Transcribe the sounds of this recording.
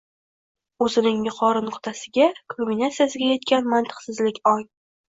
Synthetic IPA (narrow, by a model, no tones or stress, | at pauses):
ɵzɪnɪŋmɪqʰɒɾɪnʊqt̪ʰasɪɡʲakʰombinat̪sijasɪɡʲaje̞t̪̚kʲanmant̪ʰɨ̥qsɪzlɪkʲɒj